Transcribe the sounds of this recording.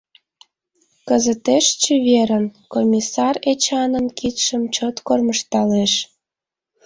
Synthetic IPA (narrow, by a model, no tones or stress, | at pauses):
kəzət̪eʃt͡ɕəβeɾənkomʲisɑret͡ɕɑnənkit̪ʃəmt͡ɕot̪korməʃt̪ɑleʃ